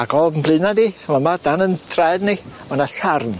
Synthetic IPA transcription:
aɡɔːbəmbʰlˠɨnanimamadanəntʰrɛjdnimanaɬarn

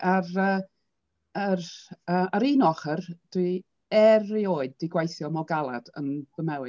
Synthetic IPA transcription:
ʔarəː | ərəːəɾinɔχərd̥wi | ɛrioːɨdːɪɡwajθjɔmɔɡalˠa̰d̥ə̰nɡəmɛwɨ

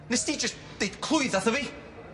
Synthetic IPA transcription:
nɛsdid͡ʒəs | d̥ejd̥kʰl̥ʊjðaθəvi

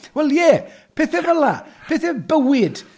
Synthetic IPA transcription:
wɛljɛːpʰeːθɛvəla̰pʰeθɛbəwɪd̥

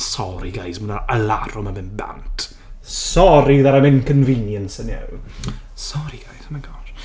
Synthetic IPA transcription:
sɔɾiɡajsmunaəlaɾɔmamɪnba̰ntʰ | sɔɾiðaɾamɛnkʰənvɪnjənsənjɛ̰w | sɔɾiɡajsanaŋɡɔr

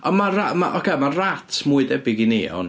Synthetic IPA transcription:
ɔnmarama̰ʔɔkʰɛmaratʰmuɨðɛbɪɡinḛɔ̰n

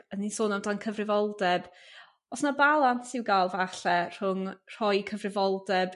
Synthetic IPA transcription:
ənisoːnamdankʰəvrɪvɔlˠdɛb | ɔsnabalˠansɪwɡaːlˠvaɬɛr̥ʊŋr̥ɔjkʰəvrɪvɔlˠdɛb̥

